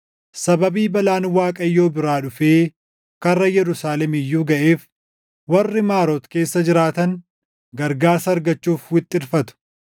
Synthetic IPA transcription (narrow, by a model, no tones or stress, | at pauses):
sɐbɐbiːbɐlaːnwaːkʼɐjːo̞ːbɪɾaːᶑʊfeː | kɐrːɐjɛɾʊsaːlɛmɪjːuːɡɐʔeːf | wɐrːɪmaːɾoːt̪ke̞ːsːɐd͡ʒɪɾaːt̪ɐn | ɡɐɾɡaːɾsɐːɾɡɐt͡ʃːuːfwɪt̪ʼːɪɾfɐt̪ʊ̥